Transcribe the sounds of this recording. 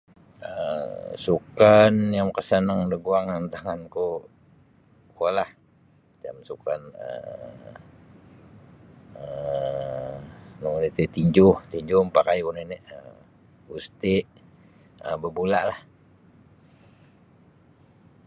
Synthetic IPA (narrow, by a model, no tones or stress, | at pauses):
əsukanjaŋkəsənəŋdəɡuaŋənt̪aŋanko | kolah | t̪a̰msukanə̰ | ə | nəŋunit̪it̪iɲd͡ʒʊht̪iɲd͡ʒʊmpakajkuneniʔə | ust̪ɪʔ | əbəbulaʔlah